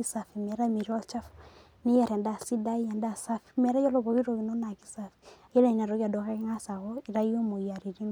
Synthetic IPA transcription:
i˦sa˨fi˨mɛ˨ɾa˦mi˨ɾɔ˦lt͡ʃa˦f | nɪ˦ja˨ɾɛ˨nda˨si˦da˦i˦ɛ˨nda˨sa˦fimɛ˨˦ɾa˦jɔ˦lɔ˦βɔ˨ki˦ɾo˨ɣi˨no˦na˨ki˦safi˨jɛ˦la˨i˨n˨a˨ɾɔ˨˦ɣi˦a˨dɔ˨ka˦ki˦ŋa˦sa˨ɣɔ˦i˨ɾa˦i˦ɔ˦mo˨ja˨ɾi˨ɾi˦n

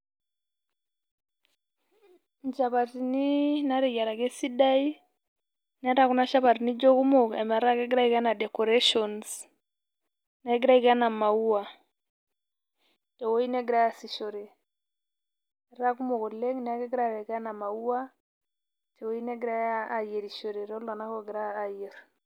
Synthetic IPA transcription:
ɲd͡ʒa˨βa˨ti˨ni˦na˦ɾɛ˨ja˨ɾa˨kɛ˦si˦da˦i˦ | n˦a˦ɾa˨ku˦na˦ʃa˦βa˨ti˨ni˦d͡ʒɔ˦ku˦mɔ˨ka˨ma˨ɾa˦kɛ˦ɡɾa˦i˦ka˦na˨dɛ˨kɔ˨ɾɛ˦ʃɔ˨ns | na˨˦ɡɾa˦i˦ka˦na˨ma˨u˦a˨ | tɛ˨wo˦i˦nɛ˦ɡi˨ɾa˦ja˨si˨ʃɔ˨ɾe˨ | ɾa˦ku˦mo˨kɔ˨le˦ŋni˨a˦kɛ˦ɡɾa˦ɾɛ˨ka˦na˨ma˨u˦a˦ | tɛ˨wo˦i˦nɛ˦ɡi˦ɾa˦ja˦a˨je˨ɾi˨ʃo˨ɾe˨ɾɔ˦la˨na˦kɔ˦ɡi˨ɾaː˦˨je˨ɾ

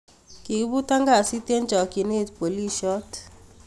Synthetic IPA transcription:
ki˨kbu˦ta˦ŋɡa˨si˦te˦nt͡ʃɔ˨ki˨ne˦˨tpo˨li˦ʃɔ˦t

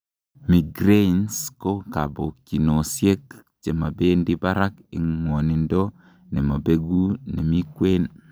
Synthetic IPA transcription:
mi˨ɡɾe˦insko˦ka˨bo˨kːi˨no˨sje˦k | t͡ʃe˨ma˨beː˦ndi˦ba˦ɾa˦kḭ˨ŋwo˨ni˨ndo˦ | ne˨ma˨be˦ɡu˦ne˨mi˦kwe˦n

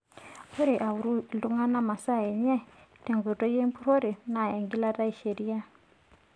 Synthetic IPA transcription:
o˦ɾe˨ʔa˨u˨ɾu˦˨ldu˦ŋa˦na˦ma˨sa˦˨ɛ˨ɲɛ˦tɛ˨ŋɡo˨to˦je˦mpu˦ɾo˦ɾi˨na˨ɛ˨ŋɡi˦la˦ta˦i˨ʃe˨ɾi˦a˦

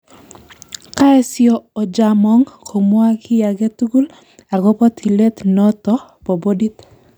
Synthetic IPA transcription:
ka˦ɛ˦sjɔː˨d͡ʒamɔ˦ŋkʰo˨mwa˦kʰɪ˦ja˨ɡe˦tu˦ɡu˦l | a˨ɡo˦pɔ˦t̪ʰi˨le˦t̪nɔ˦tɔ˦po˨bo˦di˦t̪

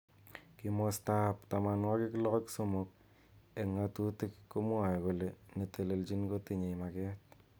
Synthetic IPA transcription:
kimɔstapta˨ma˨nwa˦ki˦ki˦lɔ˦kɔ˦kso˦mo˨k̚ | e˨ŋa˦tu˦ti˦kːo˦mu˦a˨jko˨le˨ne˨tʰe˨le˨lt͡ʃi˦nko˦ti˨ɲe˨ma˨kɛ˦t̚

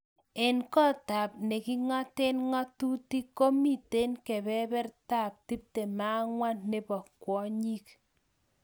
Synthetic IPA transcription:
e˨nkɔ˦ta˨p̚ne˨ki˦ŋɔ˦te˦nŋɔ˦tu˦ti˦ko˦mi˦˨te˦nkɛ˨bɛ˦bɛ˦rta˦˨p̚ti˦p̚te˨ma˦ŋwa˦nːe˦pɔ˨kwɔ˦ɲi˦k̚

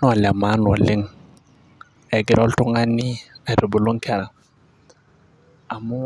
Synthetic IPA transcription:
n˦a˨la˨ma˨˦n˨ɔ˨lɪ˦ŋ | ɛ˨ɡɪ˦ɾʔɔ˦ltu˦ŋa˦ni˦a˨ɾo˨bo˨lo˦ŋkɛ˦ɾa˨ | a˨mu˦

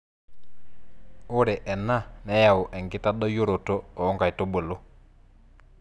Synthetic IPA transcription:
o˦ɾɛ˨ʔɛ˨na˦˨nɛ˦ja˨o˨ʔɛ˨ŋɡɪ˦ta˦ɗɔ˦jo˦ɾo˨tɔ˦ɔː˨˦ŋɡa˨i˨to˦bo˨lo˦

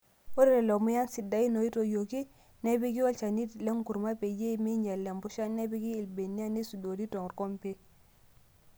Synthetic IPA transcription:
o˦ɾɾe˨lo˨mu˦ja˦nsi˨da˨˦i˦no˨i˦to˨jo˨ki˦ | ne˦bi˦ki˦wo˦lt͡ʃa˨ni˦tle˦ŋku˨ɾma˦pe˨je˦˨mi˦ɲa˨lːe˨mbu˦ʃa˦ne˦bi˦ki˦i˨lbe˨nːi˦a˦ni˦su˨do˨ɾi˦to˨ŋ˨ɾko˦mpe˦

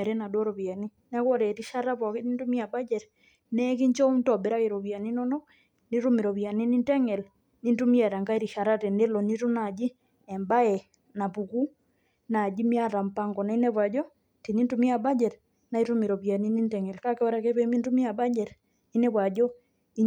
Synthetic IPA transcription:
ɾɛ˦na˨do˦ɾo˨βa˨ni˦ | nɛ˦ko˦ɾɛ˨ɾi˦ʃa˦ɾa˦βɔ˨ki˦ni˦ntu˦mi˦a˨ba˦d͡ʒɛ˨ɾ | nɛ˦k̬i˦ɲt͡ʃo˦mtɔ˨be˨ɾa˦ke˨ɾo˨βja˨ni˦nɔ˦nɔ˦ | ni˦ɾu˦mi˨ɾo˨βja˨ni˦ni˦ntɛ˦ŋɛ˨l | ni˦ntu˦mi˦a˨ɾa˨ŋɡa˦i˦ɾi˨ʃa˨ɾa˦te˨ne˦lo˨ni˦tu˦na˨d͡ʒi˦ | ɛ˨mba˦ɛ˨ | na˨pu˨ku˦ | na˨d͡ʒi˦mi˦a˦ɾa˨mpa˦ŋɡɔ˨na˨i˦nɛ˦βwa˨d͡ʒɔ˦ | ti˨ni˦ntu˦mi˦a˨ba˦d͡ʒɛ˨ɾ | na˦i˦ɾu˦mi˨ɾo˨βa˨ni˦ni˦ntɛ˨ŋɛ˨lka˦ke˦ɔ˦ɾa˨˦ke˦βe˦mi˦ntu˦mi˦a˨ba˦d͡ʒɛ˨ɾ | i˦ne˦βwa˨d͡ʒɔ˦ | i˦

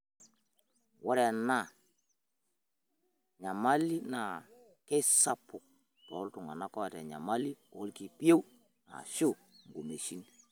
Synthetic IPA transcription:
wɔ˦ɾɛ˨na˦˨ | ɲa˨ma˦li˦na˨ | kɛ˦sa˨pʊ˨k̚ | tɔ̰˨˦ltʊ˨ŋa̰˨na˦kɔ˦a˨tɛ˨ɲa̰˨ma˦li˦o̰˦lki˨pi˦e˦w | na̰˨ʃo˦ | ŋɡo˨me˨ʃi˦n

